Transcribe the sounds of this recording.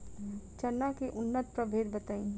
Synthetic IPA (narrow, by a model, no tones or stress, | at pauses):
t͡ʃənːakeʔʊnːət̪̚pɾəbʱeːd̪bət̪aĩ